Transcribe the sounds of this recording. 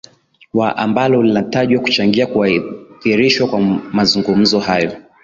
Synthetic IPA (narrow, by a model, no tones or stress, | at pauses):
waʔa̰mbalɔlinataʄwaku̥t͡ʃaŋɡiakuaθiɾiʃwakwamazuŋɡum̩zɔhajɔ